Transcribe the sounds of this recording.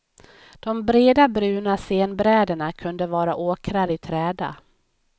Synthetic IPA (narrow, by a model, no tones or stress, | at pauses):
d̪̥ɔmbɾeːd̪abɾʉ̟ːnaseːnbɾɛːd̪əɳakʰɵnd̪əvɑːɾaʔoːkɾaɾɪt̪ʰɾɛːd̪a̰